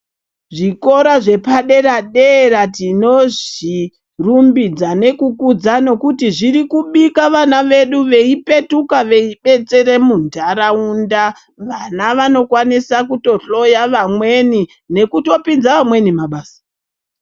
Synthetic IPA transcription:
ʐiko̞ɾaʐe̞paɗe̞ɾaɗeɾatino̞ʐi | rumbid͡zane̞kukud͡zano̞kutiʐirikuɓikaʋanaʋe̞ɗuʋe̞ipe̞tukaʋe̞iɓe̞t͡se̞ɾe̞mundʱaɾaunda | ʋanaʋano̞kwanisakuto̞ɬo̞jaʋamweni | ne̞kuto̞pinzaʋamwe̞nimaɓaːsḁ

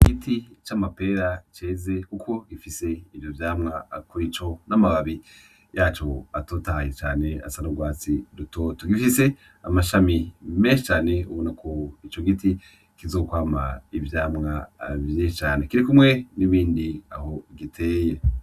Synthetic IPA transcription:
ɡ̥itit͡ʃamape̞ːɾat͡ʃe̞ːze̞kukʰo̞ɡifise̞ivjovjaːmŋakuɾit͡ʃo̞namaβaβi | jaːt͡ʃo̞atotahajet͡ʃaːne̞a̰sanoɡwaːt͡siɾuto̞ːtoɡifise̞ | amaʃamime̞ːnʃit͡ʃaːne̞uβonakʰoit͡ʃo̞ɡiti | kizokwaːma̰ivjaːmŋavjeʃt͡ʃaːne̞kiɾikumŋe̞niβiːndia̰ho̞ɡitʰe̞ːje̞

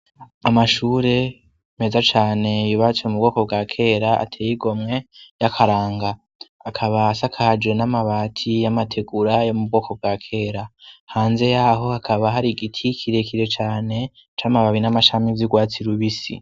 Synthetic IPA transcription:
amaʃuːɾe̞ | mezat͡ʃaːne̞juβat͡siomubɡo̞ːko̞bɡaːkʰe̞ːɾaa̰tʰeːjiɡo̞mŋe̞jakʰaɾaːŋɡaː | kʰaβaːsakʰad͡ʒenamaβaːtʰijamatʰe̞ɡuɾajomub̚ɡo̞ːko̞b̚ɡakʰe̞ːɾahaːnze̞jaɦo̞hakʰaβaɦaɾiɡitʰikʰiɾe̞kiɾe̞t͡ʃaːne̞ | t͡ʃamaβaβinamaʃamivjiɡwaːt͡siɾuβisḭ

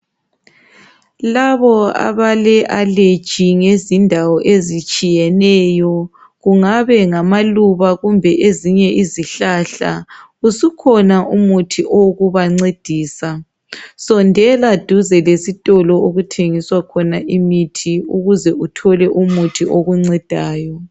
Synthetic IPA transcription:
laβɔa̰βalɛʔale̥ʒ̥ʱiŋezindʱawɔʔezit͡ʃʼijɛnɛjɔ | ɣuŋaβɛŋamaluβaɣumbʱɛʔeziɲɛʔiziɬaɬa̰ | usukʰɔnaʔumutʰiʔoɣuβaŋ͡ǀed̥ʱiːsa | sɔndʱɛlad̥ʱuzɛlesitʼɔlɔoɣutʰeŋiswakʰɔnaʔimitʰiuɣuzɛʔutʰɔlɛʔumutʰiʔoɣuŋ͡ǀɛd̥ʱaːjɔ

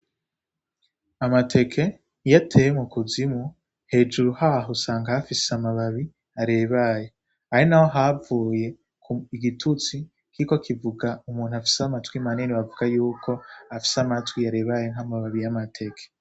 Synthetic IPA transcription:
amatʰe̞kʰe̞ | jatʰejemukuzimu | he̞ːd͡ʒuɾuhaɦosaːŋɡahafiseamaβaβi | aɾe̞ːβaje̞ | ahinaho̞ɦavuːje̞ | kuiɡitʰut͡si | kiiko̞kivuɡaumuːn̤̥uafi̥samatwimaniniβavuɡajuːkʰo̞afi̥samatwiaɾe̞ːβaje̞ŋ̥hamaβaβijamatʰe̞kʰe̥

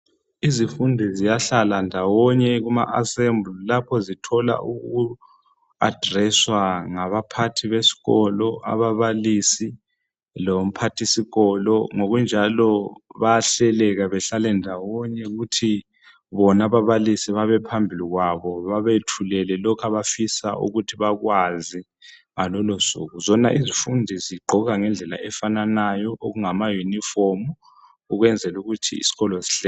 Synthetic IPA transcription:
izifundʱɛzijaɬalandʱawɔɲɛɣuma̰ʔasembʱlulapʰɔzitʰɔla̰ʔuɣu | a̰d̥ʱrɛswaŋaβapʰatʰiβesi̥ɣɔlɔa̰βaβalisi | lom̩pʰatʰisiɣɔlɔŋoɣund͡ʒʱalɔβaaɬɛlɛɣaβɛɬalɛndʱawɔɲɛɣutʰi | βɔnaβaβalisiβaβɛpʰambʱiliɣwaβɔβaβetʰulɛlɛlɔkʰaβafisa̰ṵɣutʰiβaɣwazi | ŋalɔlɔsṵɣuzɔna̰ʔizifundʱiziɡ͡ǃʱɔɣaŋɛnd͡ɮʱɛla̰ʔɛfananajɔʔoɣuŋamajunifomu | uɣwɛnd͡zʱɛluɣutʰḭḭsi̥ɣɔlɔsi̥ɬɛ

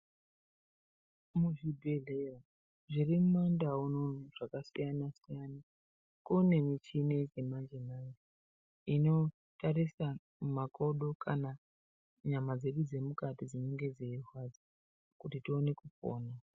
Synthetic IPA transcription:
muʐibʱelea | ʐirimumandaunonoʐ̥akasijanasijana | kune̞mit͡ʃined͡ze̞mand͡ʒemani | ino̞ | taɾisa | mmako̞ɗo̞kʰana | ɲamad͡ze̞ɗud͡ze̞mukatid͡ziɲo̞ŋɡe̞d͡zeirwad͡zi | kutitio̞ne̞kup͡fo̰ːna

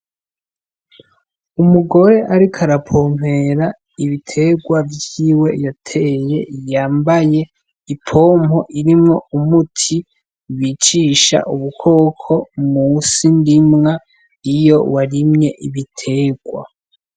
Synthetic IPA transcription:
umuɡo̞ɾe̞ʔaɾikʰaɾapʰo̞ːm̥he̞ɾa | iβitʰe̞ɡwavjiːwe̞jatʰeje̞jaːmbaje̞ | ipʰo̞ːmo̞ʔiɾimŋo̞umutʰi | wit͡ʃiʃa̰ʔuβukʰo̞ːkʰo̞musindimŋa | ijo̞̰waɾimɲe̞ʔiβitʰe̞ːɡwa̰

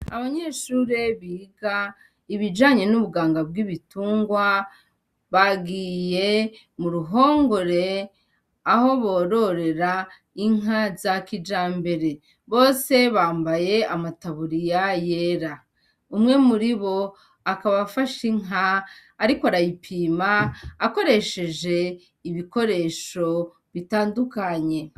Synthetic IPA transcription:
aβaɲe̞ːʃuːɾeβiːɡa | iβid͡ʒaːɲe̞nuβuɡaːŋɡabɡiβituːŋɡwa | βaɡiːje̞ | muɾuɦo̞ːŋɡo̞ɾe̞ | aho̞βo̞ːɾo̞ɾe̞ɾa | iŋɦazakid͡ʒaːmbe̞ɾe̞ | βo̞ːse̞βaːmbaje̞amataβuɾijaje̞ɾa | umŋe̞muɾiβo̞ | akaβafaʃiŋɦaːɾikoaɾajipʰiːmaːko̞ɾe̞ʃe̞d͡ʒe̞ | iβiko̞ɾe̞ʃo̞ | βitaːndukaɲe̞

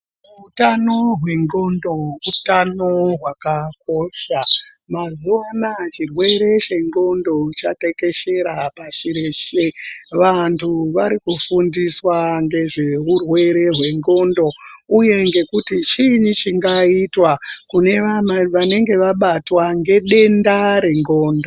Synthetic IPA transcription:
utano̞ɦwe̞ŋɡo̞ndo̞utano̞ɦwakak̚o̞ʃa | mazuanat͡ʃirwe̞ɾe̞t͡ʃe̞ŋɡo̞ndo̞t͡ʃate̞ke̞ʃe̞ɾapaʃiɾeʃeʋantʰuʋaɾikufundiswaŋɡe̞ʐe̞ɦurwe̞ɾe̞ɦwe̞ŋɡo̞ndo̞uje̞ŋɡe̞kutit͡ʃiɲit͡ʃiŋɡaitwakune̞ʋaʋane̞ŋɡe̞ʋaɓatwaŋɡe̞ɗe̞ndaɾe̞ŋɡo̞ːndo

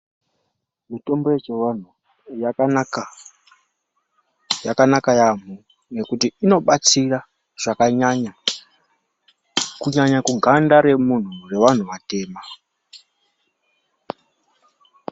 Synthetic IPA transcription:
mito̞mbo̞jet͡ʃean̤u | jakanakajam̤u | ne̞kutiːno̞ɓat͡sira | ʐ̥akaɲaɲa | kuɲaɲakuɡʱandaɾe̞mun̤ure̞ʋan̤uʋate̞ːma

